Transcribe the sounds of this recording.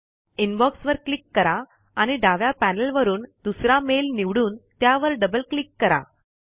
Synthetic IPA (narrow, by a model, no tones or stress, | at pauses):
inbɔksʋəɾklikːəɾa | añiɖaʋjapænəlʋəɾuːnd̪usɾamelniʋɽuːnt̪jaʋəɾɖəbəlklikːəɾa̰